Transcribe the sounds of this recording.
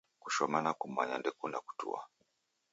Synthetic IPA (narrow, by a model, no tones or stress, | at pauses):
kuʃɔmanakum̩a̰ɲandɛkunaku̥tṵa̰